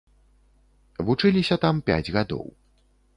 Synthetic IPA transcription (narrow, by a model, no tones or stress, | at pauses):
vut͡ʂɨlʲisʲɐt̪ampʲa̰d͡zʲɣad̪ɔ̰w